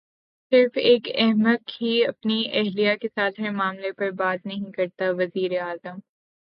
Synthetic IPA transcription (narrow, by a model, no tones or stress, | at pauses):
sɪɾfeːkɛɦməd̪̚kiɐpniɛɦlijakesaːt̪ʰɦɐɾmaːmlepɐɾbaːt̪nɐɦĩkɐɾt̪aʋɐziːɾeaːzəm